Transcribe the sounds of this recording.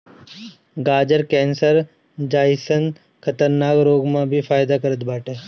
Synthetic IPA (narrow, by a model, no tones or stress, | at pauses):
ɡaːd͡ʒəɾkɛ̃ːnsəɾ | d͡ʒaːɪsən | kʰɐt̪əɾnaːkɾoːɡmãbʱifʰaːjd̪akəɾət̪baːʈeː